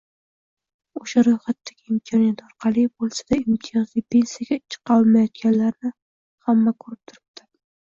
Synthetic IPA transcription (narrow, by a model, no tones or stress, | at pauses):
oʃaɾojχat̪ʰːaɡʲɪɪmtʰɒnijat̪ɒɾqʰɑlˠɪbolˠsad̪aimt̪ʰijɒzlipʰe̞nsijijaɡʲat͡ʃʰːɨ̥qɑlˠmajɒt̪̚kʲanlaɾnɪ | hamːakʰɵɾɪp̚t̪ʰʊɾɪp̚t̪ʰɪ